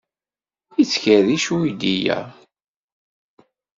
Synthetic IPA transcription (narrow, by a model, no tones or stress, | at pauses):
it͡sːçəðiʃuid̪ijæ̰